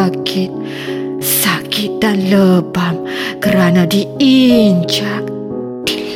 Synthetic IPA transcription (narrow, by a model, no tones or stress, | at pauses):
kʰɪt̪̚ | sakit̪̚danləbam | kəɾanadiiɲd͡ʒak̚ | d̥il